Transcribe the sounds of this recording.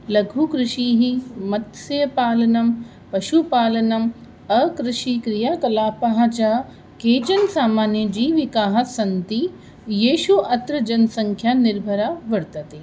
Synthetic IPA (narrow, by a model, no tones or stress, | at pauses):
lɐɡʱukɾɪʃiɦimɐt̪sɐjɐpaːlɐnɐm | pɐʃupaːlɐnɐm | ɐkɾɪʃikɾijaːkɐlaːpaɦɐt͡ʃaː | keːt͡ʃɐnsaːmaːnjɐd͡ʑiːʋɪkaːɦɐsɐnt̪i | jeːʃuʔɐt̪ɾɐd͡ʒɐnsɐ̃ŋkʰjanɪɾbʱɐɾaʋɐɾt̪ɐt̪eː